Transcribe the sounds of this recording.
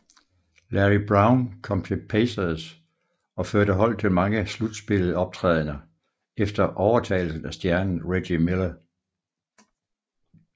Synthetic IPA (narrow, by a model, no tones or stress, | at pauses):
læʁib̥ʁɑ̈ʊnkʰɒ̽m̰t͡sʰe̝lpʰeɪsɐðˠs | ɒ̽føɐɾ̥əɦɒ̽l̰t͡sʰe̝lmɑ̈ŋəslud̥sb̥e̝lð̩ˠɒ̽b̥̚t͡sʰʁɛ̰ð̞̰ˠnɐ | efd̥ɐʔɒʊɐt͡sʰɛ̰ːɪl̩sn̩æsd̥jæɐnn̩ʁe̥imelɐ